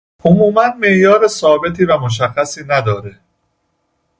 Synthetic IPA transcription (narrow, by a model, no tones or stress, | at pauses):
omuːmænme̞ʔjɒːɾesɒːbe̞t̪ʰiːvæmoʃ̬æxːæsiːnæd̪ɒːɾe̞